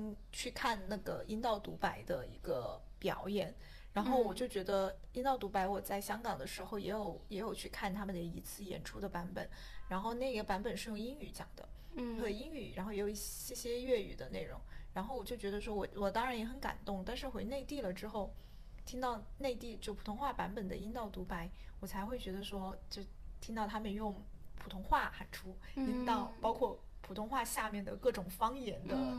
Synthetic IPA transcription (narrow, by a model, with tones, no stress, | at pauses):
ŋ | t͡ɕʰy˥˧kʰa˥˧nna˥˩ɡə˩i˥nt̪ɑ˥˩ʊt̪u˧˥pa˧˥ɪd̪ə˧i˧˥ɡə˧ | pjɑ̰˨˧˥ʊjɛ˨˩˦n | ɻa˧˥nxo˥˩ʊwɔ˨˩t͡ɕjo˥˩ʊt͡ɕɥɛ˧˥d̪ə˧i˥nt̪ɑ˥˩ʊt̪u˧˥pa˧˥ɪwɔ˨˩t͡sa˥˩ɪɕjɑ˥ŋkɑ˨˩ŋd̪ə˦ʂɻ̩˧˥xo˥˧ʊjɛ˧˥jo˨˩˦ʊjɛ˧˥jo˨˩ʊt͡ɕʰy˥˧kʰa˥˩nt̪ʰa˥mə˨nd̪ə˨˩i˧˥t͡sʰɹ̩˥˩jɛ̰˨˩nʈ͡ʂʰu˥d̪ə˨pa˧˥npə̰˨˩˦n | ɻa˧˥nxo˥˧ʊna˥˩ɪ˧˥ɡə˩pa˧˥nbpə˨˩nʂɻ̩˥˧jʊ˥˩ŋi˥ŋy˧˥t͡ɕjɑ̰˨˩ŋd̪ə̰˦ə˨˩i˥ŋy̰˨˩˦ɻa˧˥nxo˥˩jjo˨˩˧i˥˩ɛ˥˩ɕjɛ˥ɥɛ˥˩y̰˨˩d̪ə˦ne˥˩ɪɻʊ̰˧˥ŋɻa˧˥nxo˥˩ʊwɔ˨˩t͡ɕjo˥˩t͡ɕɥɛ˧˥ə˧ʂ̬wɔ˥wɔ˨˩wɔ˨˩t̪ɑ˥ŋɻa˧˥njɛ˧˥xə˧˥nka̰˨˩nt̪ʊ˥˩ŋt̪a˥˧nʂɻ̩˥˩xwe˧˥ɪne˥˧ɪt̪i˥˩lə˩ʈ͡ʂɻ̩˥xo˥˩ʊ | t̪ʰi˥ŋt̪ɑ˥˧ʊne˥˧ɪt̪i˥˧t͡ɕjo˥˩ʊpʰu˨˩t̪ʰʊ˧˥ŋxwa˥˩pa˧˥npə˨˩nd̪ə̰˦i˥nt̪ɑ˥˩ʊt̪u˧˥pa˧˥ɪwɔ˨˩t͡sʰa˧˥ɪxwe˥˩ɪt͡ɕɥɛ˧˥d̪ə˧ʂwɔ˥t͡ɕjo˥˩ʊt̪ʰi˥ŋt̪ɑ˥˩ʊt̪ʰa˥mə˨njʊ˥˩ŋpʰu˨˩t̪ʰʊ˧˥ŋxwa˥˩xa˧˩nʈ͡ʂʰu˥ | i˧˥t̪ɑ˥˩ʊpɑ˥ʊkʰwɔ˥˩ | pʰu˨˩ʊ˥ŋxwa˥˧ɕja˥˧mjɛ˥˩nd̪ə̰˩kɤ˥˩ʈ͡ʂʊ˨˩ŋfɑ˥ŋjɛ˧˥nd̪ə˧